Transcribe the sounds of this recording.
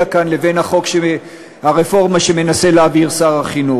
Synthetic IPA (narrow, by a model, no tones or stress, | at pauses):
akanle̞ve̞nhaχo̞kʃe | haʁefo̞ʁmaʃe̞me̞nase̞leaviʁsaʁaχinu